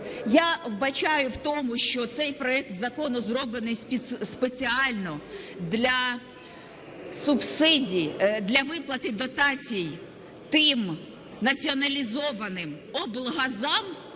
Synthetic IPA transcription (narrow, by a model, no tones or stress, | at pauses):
jawbɐt͡ʃajʊwt̪ɔmʊʃt͡ʃɔt̪sɛjpɾɔɛk̚t̪zɐkɔnʊzrɔblˠenɪsʲspet͡sʲiɑlʲnɔd̪lʲɐ | sʊbsɪdʲid̪lʲɐʋɪplˠɐt̪ɪd̪ɔt̪ɑt͡sʲij | t̪ɪm | nɐt͡sʲiɔnɐlʲizɔʋɐnɪm | ɔblˠɦɐzɑm